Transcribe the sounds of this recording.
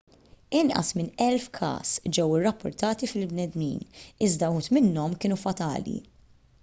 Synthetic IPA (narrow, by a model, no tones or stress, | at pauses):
ɪnʔɐ̰smɪnɛlfkʰɐ̰ːsd͡ʒɛwɪrːɐpːʊɾt̪ɐːt̪ifɪlbnɛd̪nḭːnɪzd̪ɐhuːt̪mɪnːɔmkɪːnufɐt̪ɐ̰ːlḭ